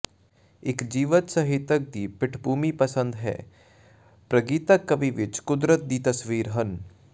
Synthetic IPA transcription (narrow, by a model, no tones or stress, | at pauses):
ɪkd͡ʒiːʋət̪sɐɦɪt̪ək̚d̪iːpɪʈʰbʱuːmipɐsə̃nd̪ɦɛ̰ː | pɾəɡiːt̪əkːɐbiʋɪt͡ʃkʊd̪ɾət̪̚d̪iːt̪ɐsʋiːɾɦɐn